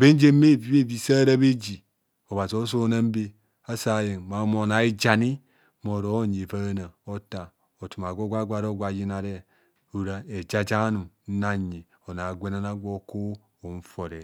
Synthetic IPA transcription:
be˦n˦d͡ʒe˦m˦me˦˨vi˦be˦vi˨sa˦ɾa˦be˦d͡ʒi˨ | o˨ba˨zi˨o˦s̬o˦na˦m̩˦be˦ | a˦sa˨je˨ŋma˨˦mo˨na˨i˦d͡ʒa˨ni˦ | mo˨ɾo˦ɲ˨e˨va˦na˨o˦ta˨ | o˨tu˨ma˨ɡʷo˦ɡʷa˦ɡʷa˨ɾo˦ɡʷa˨˦ji˦na˨ɾe˦ | u˨ɾa˦e˨d͡ʒa˦d͡ʒa˦nu˨n̩˦na˦˨ɲi˨ | o˨na˨ɡʷe˦na˦na˦ɡʷo˦ko˦ | o˨n̩˦fo˨ɾe˨

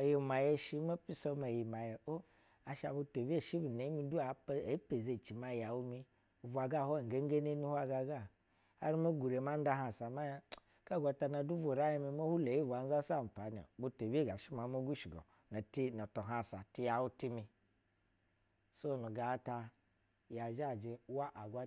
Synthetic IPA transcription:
a˨ji˨ma˨je˦ʃi˦ma˦pi˦so˦ma˨ji˨ma˨je˨o˦ | a˨ʃa̰˨bu˧to˨bi˦e˦˨ʃi˦bu˨ne˨˦mi˧du˦a˨˦˨pe˨ze˦˨t͡ʃi˨ma˦ja˨wu˦mi˦˨ | vʷa˨ɡa˦˨ho˦˨ɡe˦ŋ˦ɡe˦ne˦ni˦ha˦ɡa˧ɡa˦˨ | a̰˦ɾi˦ma˦ɡu˨ɾe˨ma˦n˦da˦ɦa˨sa˨ma˦ | ka˦˨ɡʷa˧ta˧na˨du˦vo˨ɾa˦ji˦mi˧mo˦hu˦le˨˦i˦vʷa˨n̩˦za˦sa˦˨m̩˨pa˨˦nḛ˨bu˧to˨be˦˨ɡa˨ʃi˦ma˨˦mo˦ɡu˦ʃi˨ɡo̰˨ | na˨ti˦no˨to˨ɦa˨sa˨ti˦ja˨wu˦ti˦mi˧ | so˦˨nu˨ɡa˨˦ta˧ | ja˨ʒa˦˨d͡ʒe˨˦wa˦ʔa˨ɡʷa˦

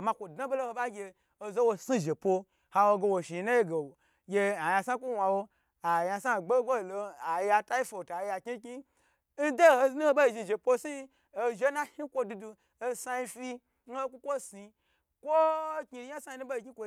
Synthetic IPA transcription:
ma˧kʷo˨da˦bo˦lo˦ho˧ba˦ɡʲe˧ | o˧zo˦wo˧si˦ʒe˨po˧ | ha˧wo˧ɡe˧wo˨ʃi˨˧na˦je˦ɡe˨ | ɡʲe˧a˨ja˧sa˦ku˦wa˧wo˧ | a˨ja˧sa˦˨ɡ͡be˦o˦˨lo˧a˨ji˦a˧ta˦ji˦fo˧˨ta˨ja˨kʲi˦ki˦ | n̩˦de˦˨ho˧znu˦ho˦bo˦i˧ʒi˧˨ʒe˨po˦si˦ | o˧ʒe˦na˦hi˦kʷo˧du˧du˧ | o˧sa˧ji˧fi˦ | n̩˦o˦kʷu˦kʷo˦si˧ | kʷo˦ki˧˦ja˦sa˦ji˧nu˦bo˦i˧ki˦kʷo˧

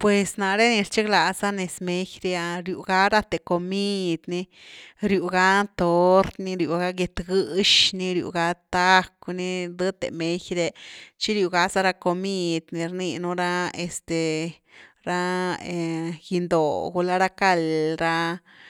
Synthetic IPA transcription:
pwe˨sna˨ɾe˦ni˧ɾt͡ʃi˦kla˨sa˦ne˨sme˧˦jɾe˧a˧ɾjṵ˨ɡa˦ɾa˦t̪e˨ko˨mi˦˧d̪ni˧ɾju˨ɡa˦t̪o˦ɾt̪ni˧ɾju˨ɡa˦ɡe˧t̪ɡɨ˧ʃni˧ɾjṵ˧ɡa˦t̪a˦kni˦d̪ɨ˦t̪ḛ˨me˦jɾe˧t͡ʃi˦ɾju˨ɡa˧za˦ɾa˧ko˧mi˦˧d̪ni˧ɾni˧nu˦ɾa˦e˨st̪e˨ | ɾa˦e˨ji˧nd̪o˨ɡu˧la˦ɾa˦ka˧lɾa˧

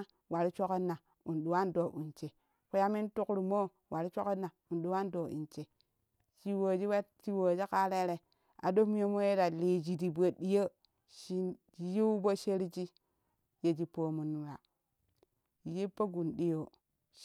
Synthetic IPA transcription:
wa˨ɾi˦t͡ʃo˦ki˦nːa˨ | u˨nɗu˨wa˦ndo˨ʔṵ˨nt͡ʃe˨ | ku˦ja˦mi˦ntu˦kɾu˨mo˦ | wʔa˨ɾi˦t͡ʃo˦ke˦nːa˨u˨nɗu˨wa˦ndo˨ʔḭ˨nt͡ʃe˨ | t͡ʃi˦wo˨d͡ʒi˦wa˦t͡ʃi˦wo˨d͡ʒi˦ka˦le˦ɾe˨ | a̰˨do˦m˦o˦mo˦je˦da˨li˨d͡ʒi˨di˨bo˨ɗi˦jo˦ | ʃi˦ | ji˦bo˦ʃe˦ɾi˦d͡ʒi˦ | je˨d͡ʒi˨po˨mu˨nu˨ɾa̰˨ | ji˦pːo˦ɡu˨nɗi˦jo˨

